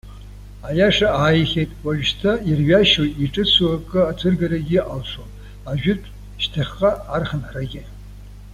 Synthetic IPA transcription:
ajaʂaaːjχʲejtʼwaʒᶣʃtʰairɥaʃojiʈ͡ʂʼɨt͡sʷuakʼɨat͡sʰɨrɡaɾaɡʲɪʔalʂʷon | aʒᶣʊtʼ | ʃtʰaχʲːaːrχənħraɡʲɪ

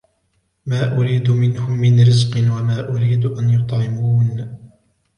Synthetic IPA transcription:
maːʔʊɾiːd̪mɪnhʊmːɪnɾɪzqɨnwamaːʔʊɾiːd̪ʔanjʊt̪ˤʕɪmuːn

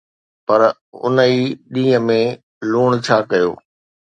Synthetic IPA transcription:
pɐɾ | ʊ̰nəiːɗĩːə̃mẽ | luːɽ̃t͡ɕʰaːkɐjo̰ː

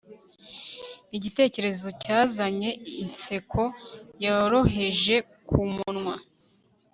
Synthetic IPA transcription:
iɟite̞ːce̞ɾe̞zo̞caːzaɲe̞int͡se̞kʰo̞jaɾo̞ɦe̞ʒe̞ | kumunŋwa

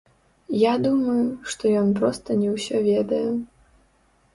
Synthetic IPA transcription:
jad̪umɐjuʂt̪ɔjɔnpɾɔst̪ɐnʲɛwsʲɔvʲɛd̪ɐjɛ

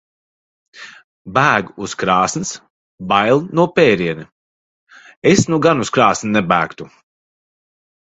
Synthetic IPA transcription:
bæːɡuskɾɑːsns | bajlˠnuɔpɛːɾiɛni | esnuɡanuskɾaːsnnɛbæːkt̪u

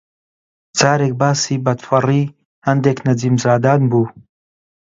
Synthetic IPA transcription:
d͡zaːɾeːk̚baːsiːbɐd̪fɐriː | hɐnd̪eːknɐd͡ziːmzaːd̪aːnbuː

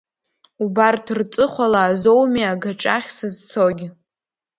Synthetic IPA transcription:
ubartʰrt͡sʼɨχʷalaːzowmiaɡaʈ͡ʂʼaχʲsɨzt͡sʰoɡʲɪ

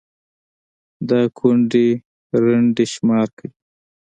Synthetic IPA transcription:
d̪ɑkʰuɳɖe | ɾaɳɖeʃmɑɾkəwi

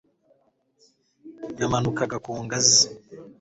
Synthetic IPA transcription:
jamanukaɡakuːŋɡazi

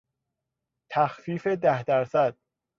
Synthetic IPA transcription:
t̪ʰæxfiːfe̞d̪æhd̪æɾsæd̪̥̚

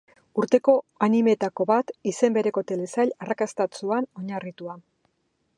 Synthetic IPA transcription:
uɾt̪e̞ko̞anime̞t̪ako̞βat̪ise̞mbe̞ɾe̞ko̞t̪e̞le̞saʎarakast̪at͡suano̞ɲarit̪ua

